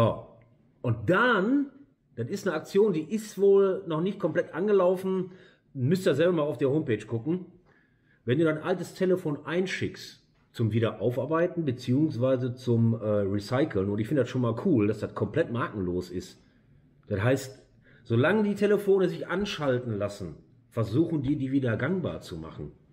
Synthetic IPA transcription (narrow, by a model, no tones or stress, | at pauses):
aː | ʔʊnt̚d̥an | d̥atɪstnəak̚t͡sjoːndiːʔɪstv̥oːlnɔχnɪçt̚kʰɔmplɛtʔanɡəlaʊfn̩ | mʏstdaːzɛlbɐmaːlaʊfd̥iːɐhoːmpeːt͡ʃɡ̥ʊkŋ̩ | vɛnduːdaɪnʔaltəstʰeləfoːnʔaɪnʃɪkst | t͡sʊmviːɾɐʔaʊfaɐbaɪtn̩bət͡siːʊŋsv̥aɪzət͡sʊmʔɛːʁisaɪkʰl̩nʊntɪçfɪndədasʃoːnmaːlkʰuːldasd̥atkʰɔmpl̥ɛtmaːkŋ̩loːsɪ̰st | d̥atɦaɪst | z̥oːlaŋədiːtʰeləfoːnəzɪçʔanʃaltn̩lasn̩ | fɛɐzuːxn̩diːɐdiːviːdɐɡaŋba̰ːɐt͡suma̰χn̩